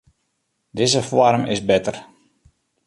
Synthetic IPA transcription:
dɪzəfwɔrmɪ̰zbɪtər

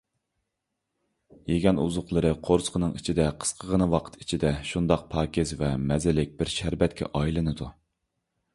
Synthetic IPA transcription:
jeɡʲɛnuzʊqlˠəɾɨqʰoɾsqʰənɨŋit͡ʃʰid̪ɛqʰə̥sqʰəʁənɨwɑqʰə̥t̪i̥t͡ʃʰid̪ɛʃund̪ɑq̚pʰɑːkʲʰɪzvɛmɛzɪlɪk̚ʲbɪɾʃæɾbɛt̪̚kʲʰɛ̰ʔɑjilˠɨnɨd̪u

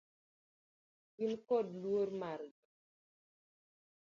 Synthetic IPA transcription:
ɡinkɔdluoɾmaɾɡa

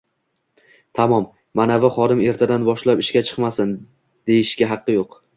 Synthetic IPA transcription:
t̪ʰamɒmː | anavɪχɒd̪ɪme̞ɾt̪ʰad̪anbɒʃlapɪʃkʲat͡ʃʰɨ̥qmasɪn | d̪̥e̞jɪʃkʲaɦɑqʰːɨjoq

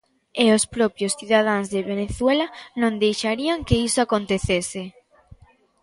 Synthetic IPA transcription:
eospɾopjosθiðað̞anzðeβ̞eneθwelanõnd̪ejʃaɾiaŋkeisoakont̪eθese

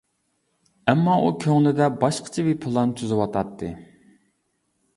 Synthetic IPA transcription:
ɛmːɑʔukʲʰøŋlɪd̪ɛbɑʃqʰə̥t͡ʃʰɛwipʰɨlˠɑnt̪ʰyzɪwɑt̪ʰɑt̪ʰːɨ

